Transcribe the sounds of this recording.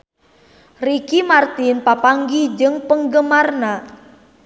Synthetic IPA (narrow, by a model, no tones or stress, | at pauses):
rikimart̪inpapaŋɡid͡ʒɨŋpəŋɡəmarna